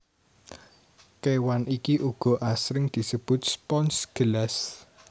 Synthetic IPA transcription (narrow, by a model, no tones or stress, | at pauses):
kewanʔikiʔuɡ̥ɔ̤ʔasɾɪŋd̪̥i̤səb̥ʊ̤t̪̚spɔnsɡ̥əlas